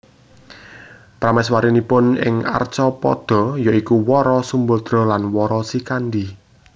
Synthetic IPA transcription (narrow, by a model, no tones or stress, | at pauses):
pɾamɛswaɾinipʊnɪ̰ŋa̰rt͡ʃɔpɔ̰d̪̥ɔ̤jɔikuwɔɾɔsumbʊld̪̥ɾɔ̤lanwɔɾɔsikand̪i